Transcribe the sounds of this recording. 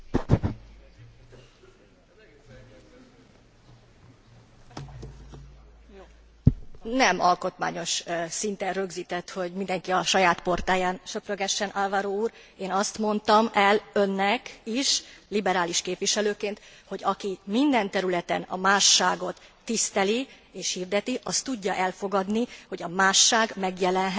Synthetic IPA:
nɛmɒlko̞t̪ma̰ːɲo̞ʃsint̪ɛnrø̞ɡziːt̪ɛt̪ho̞ɟmind̪ɛŋkiɒʃɒjaːt̪po̞rt̪aːjaːnʃøprøɡɛʃːɛnʔalvaɾoːuːɾ | eːnɒst̪mo̞nt̪ɒmɛlø̞nːɛkiʃlibɛɾaːliʃkeːpʋiʃɛløːkeːnt̪ho̞ɟɒkimind̪ɛnt̪ɛɾylɛt̪ɛ̰nɒ̰maːʃːaːɡo̞t̪ːist̪ɛli | eːʃhiːrd̪ɛt̪iʔɒst̪uɟːɒʔɛlfo̞ɡɒd̪niho̞ɟɒmaːʃːaːɡmɛɡjɛlɛnɦɛ

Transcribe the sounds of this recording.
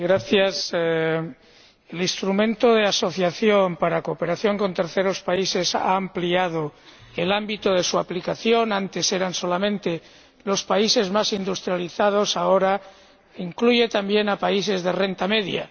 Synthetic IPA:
ɣɾaθjas | elinst̪ɾumẽ̞nt̪oðe̞aso̞θjaθjo̞mpaɾako̞pe̞ɾaθjo̞ŋko̞nt̪e̞ɾθe̞ɾo̞spaise̞sa̰ːmpliað̞o̞elambit̪oðe̞suaplikaθjo̞nant̪e̞se̞ɾanso̞lamẽnt̪e̞ | lo̞spaise̞zmasind̪ust̪ɾjaliθað̞o̞sao̞ɾa | iŋkluʝe̞t̪ambje̞napaise̞zðe̞re̞nt̪ame̞ðja̰

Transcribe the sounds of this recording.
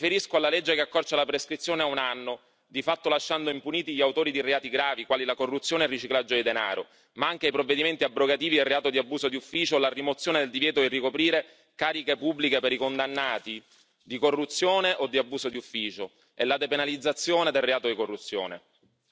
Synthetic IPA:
feɾiskoalaled͡ʒːekeakːɔrt͡ʃalapɾeskɾit̪sːjoːneaunanːo | d̪ifat̪ːolaʃːand̪oimpuniːt̪iʎiawt̪oːɾid̪ireaːt̪iɡɾaːvikwaːlilakorːut̪sjoːnerːit͡ʃiklad͡ʒːod̪id̪ena̰ːɾo | maaŋk̟eajpɾovːed̪iment̪iabɾoɡat̪iːvid̪elrːeaːt̪od̪iabːuːsod̪iufːiːt͡ʃoelarimot̪sːjoːned̪eld̪ivjɛːt̪oirːikopɾiːɾe | kaːɾikepubːlikepeɾikond̪anːaːt̪i | d̪ikorːut̪sːjoːneʔod̪ːiabːuːsod̪iufːiːt͡ʃo | elad̪epenalid̪zːat̪sːjoːned̪elrːeaːt̪od̪ikorːut̪sːjo̰ːnḛ

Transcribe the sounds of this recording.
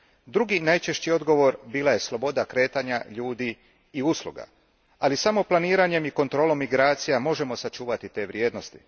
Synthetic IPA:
d̪ɾuɡinajt͡ʃe̞ʃt͡ɕio̞d̪ɡo̞ʋo̞ɾbiːlaje̞slo̞bo̞d̪akɾe̞ːt̪aɲa̰ʎuːd̪iː | uslˠṵɡa̰ | alisamo̞plˠaniːɾaɲe̞miko̞nt̪ɾo̞ːlo̞mːiɡɾaːt̪sijamo̞ʒe̞mo̞sat͡ʃuːʋat̪it̪e̞ːʋɾʲje̞ːd̪no̞st̪i̥

